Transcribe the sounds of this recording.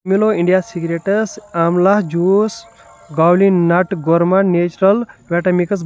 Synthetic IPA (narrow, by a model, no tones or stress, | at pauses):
miloiɳɖijasiɡɾeʈɐsamlahd͡ʒuːs | ɡaːwlinɐʈɡoɾmɐɳneːt͡ʃɾɐlbeʈɐmikɐs̬